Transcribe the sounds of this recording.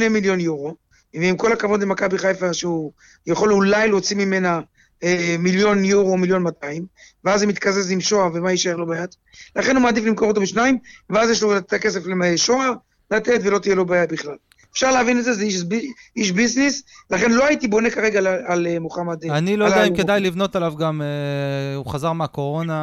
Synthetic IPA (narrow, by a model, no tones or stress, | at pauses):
nemiljo̞njuʁo̞ | veimko̞lakavo̞d̪lemakabiχajfaʃeu | jaχo̞lulajlt͡simime̞na | emiljo̞njuʁo̞miljo̞nmat̪aimveazemit̪kazezimʃo̞avemaiʃajeʁlo̞bajat̪ | laχe̞nhumaːd̪iflimko̞ʁot̪̬obeʃnaimveazjeʃloatet̪ake̞se̞flemʃo̞a | lat̪et̪velo̞t̪ijelo̞baːjabiχlal | efʃaʁleavinezezeiʃbiiʃbiznislaχe̞nlo̞ait̪ibo̞ne̞kaʁe̞ɡaalemoχamad̪eanilolaiked̪ajlivno̞t̪alavɡameuχazaʁmeako̞ʁo̞na